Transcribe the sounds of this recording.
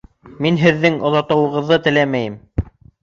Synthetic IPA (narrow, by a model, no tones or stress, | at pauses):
minɦɘ̆ðːɘŋŏðɑt̪ɤ̆wɤ̆ʁɤ̆ðːɤt̪ɘ̆læmæjɘm